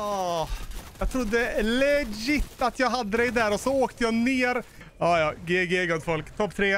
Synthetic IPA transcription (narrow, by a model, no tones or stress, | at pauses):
ɑː | jɑːɡ̚t̪ʰɾʊd̪ːəlɛd͡ʒɪt̪ːat̪jɑːɡɦad̪ːəd̪ɛɪd̪æːɾɔsɔoːkt̪əjɑːneːɾ | ɑːjɑːɡeːɡeːɡɔd̪fɔlkt̪ʰɔpːt̪ʰɾeː